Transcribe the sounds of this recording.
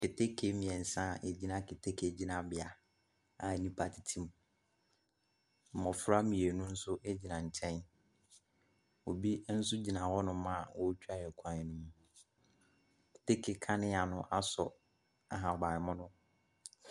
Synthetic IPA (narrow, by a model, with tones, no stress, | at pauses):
kɪ˨tʰe˦kʰe˦mĩ˨ɛ˨n̩˨sã˦˨ʔe˨d͡ʑi˦nã˦kɪ˨tʰe˦kʰd͡ʑi˦nã˨bɪ˨a˨ | a˨nĩ˦pʰa˨tʰi˨tʰĩ˦m˨ | m̩˨mɔ̃˨fɾa˦mĩ˨e˨nʊ̃˦n̩˦sʊ˦ʔe˦d͡ʑi˨nã˨ɲ̩˨t͡ɕʰɛ̃˦n | o˨bi˦n̩˦sʊ˦d͡ʑi˨nã˨hɔ˦nʊ̃˦mã˦˨wɔ˦t͡ɕᶣa˦jɛ˨kʷʰã˦nɪ˨˦nũ˦mũ˨ | kʰɪ̥˨te˦kʰe˨kʰã˦nɪ̃˦a˨nʊ̃˦ʔa˦sɔ̰˨ | a˨ɦã˨ɔ˨ba˨ɪ˨mʊ̃˦nʊ̃˦